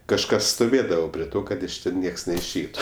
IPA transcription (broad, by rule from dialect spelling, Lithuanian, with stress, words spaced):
kɐʃˈkɐs stoːˈʋʲeːdɐʋoː pʲrʲiɛ ˈtoː ˈkɐt ɪʃ ˈtʲɛn ˈnʲiɛks nʲɛɪʃʲˈɛɪtʊ